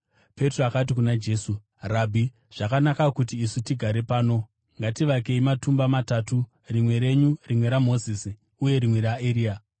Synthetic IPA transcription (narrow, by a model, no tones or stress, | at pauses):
pe̞troakat̬ikunad͡ʒe̞ːsu | rabʱi | ʐ̥akanakakut̬iːsutiɡʱaɾe̞paːno̞ | ŋɡatiʋake̞imatumbamatatu | rimwe̞ɾe̞ɲurimwe̞ɾamo̞zisi | uje̞ɾimwe̞ɾaeɾiːa